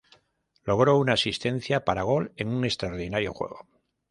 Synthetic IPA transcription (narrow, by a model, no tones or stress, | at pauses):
lo̞ɣ̞ɾo̞unaːsist̪ẽ̞n̟θjapaɾaɣ̞o̞le̞nuŋe̞st̪ɾaoɾðinaɾjo̞̰xwe̞̰ɣo̞